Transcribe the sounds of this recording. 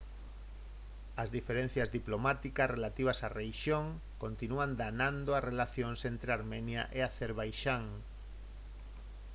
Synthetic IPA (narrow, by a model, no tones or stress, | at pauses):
ɐzðifeɾẽn̟θjazðiplomat̪ikasrelat̪iβ̞asarejʃjoŋ | kont̪inuand̪anãnd̪oarelaθjõŋsent̪ɾeaɾmɛnja̰ʔeaθeɾβajʃaŋ